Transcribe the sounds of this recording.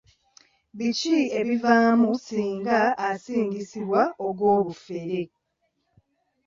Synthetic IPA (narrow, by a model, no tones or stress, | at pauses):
βicie̞βivaːmusiːŋɡaːsiːɲɟisiβwaoɡwo̞ːβufeɾe